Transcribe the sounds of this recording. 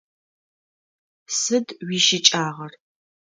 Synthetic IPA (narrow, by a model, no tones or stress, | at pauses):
sɨdwiːʃɪt͡ʃʼaːʁɐr